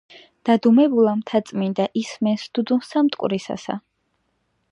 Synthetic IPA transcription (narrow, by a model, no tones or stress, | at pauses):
d̪̥ad̪umɛbulˠamt̪ʰat̪sʼmind̪aʔismɛnsd̪̥ud̪unsamt̪ʼkʼɾisa̰sa̰